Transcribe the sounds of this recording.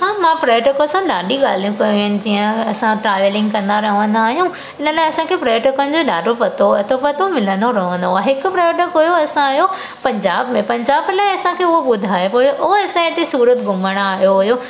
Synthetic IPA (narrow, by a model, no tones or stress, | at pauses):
ɦãːmãpɾaːʈəkɐsãɗaːɖʱiɠaːl̤ijũkɐjũɦənɪ̆d͡ʑiːə̃ɐsãʈɾaːʋəlɪ̃ŋɡkɐ̃nd̪aɾɐɦʋə̃nd̪aːɦijũ | ɪnəlaːɪɐsãkʰepɾaːjʈəkənɪ̆d͡ʑoɗaːɖofɐt̪oɐt̪ʰofɐt̪omɪlə̃nd̪oɾɐɦə̃nd̪oaːɦɪkʊpɾɐjʈəkɦʊjoɐsãːɦjo | pɐ̃ɲd͡ʑaːbmẽpɐ̃ɲd͡ʑaːblaːɪɐsãkʰeːʊɦoɓʊd̪ʱaːepojoʔʊɦoɐsãeːt̪esuːɾət̪ɡʱʊməɽ̃aaːɦijoɦʊjo